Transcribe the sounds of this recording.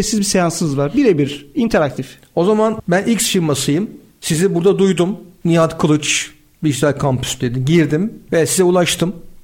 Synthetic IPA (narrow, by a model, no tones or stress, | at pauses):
esizbisejansɯnɯzvaɾbiɾebiɾint̪ʰeɾak̚t̪ʰif | o̞zamanbænʔiksfiɾmasɯjɯm | sizibuɾd̪ad̪ujd̪umnijat̪kʰɯlˠɯt͡ʃ | biʃzælkʰampʰy̥sd̪e̞d̪imɟiɾd̪imvejasizɛulˠaʃt̪ʰɯm